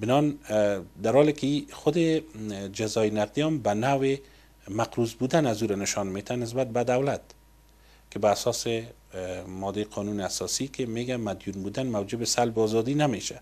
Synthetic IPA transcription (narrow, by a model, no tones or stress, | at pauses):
bɪnɔnd̪aɾhɔlɪkɪixʊd̪ɪd͡ʒazɒjnaqd̪ijɔmbanawɪ | maqɾuzbud̪anazuɾanɪʃɒnmet̪ʰanɪs̬bat̪̚bad̪awlat̪ | kɪbaːsɔsɪ | mɔd̪eqʰɔnunɪasɔsikɪmeɡamad̪junbud̪anmawd͡ʒɪbɪsalbɪɔzɔd̪inameʃa